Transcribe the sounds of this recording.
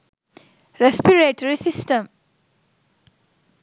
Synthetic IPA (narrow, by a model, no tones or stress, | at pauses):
ɾespiɾeʈəɾisisʈə̃m